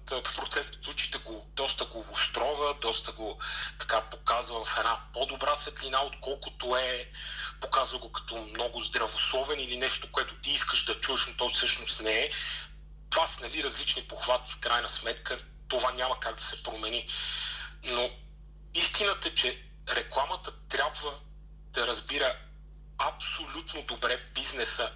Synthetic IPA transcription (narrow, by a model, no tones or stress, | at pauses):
t̪pɾot̪sɛnt̪ot̪zut͡ʃi̥t̪ɛɡod̪̥ɔst̪əɡoːst̪ɾɔvəd̪ɔst̪əɡot̪ɐ̥kapokazvəvɐfɛnapod̪obɾasvɛt̪linaot̪kɔlˠkʊt̪oɛpokazvəɡokɐ̥t̪ɔmnɔɡʊzd̪ɾɐvoslˠɔvɛnilinɛʃt̪okoɛt̪ʊt̪iiskəʃd̪ɐt͡ʃuəʃnot̪ɔjfsɤʃnost̪nɛɛ | t̪ovasnɐliɾɐzlit͡ʃnipoxvat̪ifkɾajnəsmɛt̪kə | t̪ovanʲamɐkaɡd̪ɐsɛpɾomɛni | no | ist̪inət̪əɛt͡ʃɛ | ɾɛklˠamət̪ət̪ɾʲabvə | d̪̥ɐɾɐzbiɾə | ɐpsolʲut̪nod̪obɾɛbiznɛsə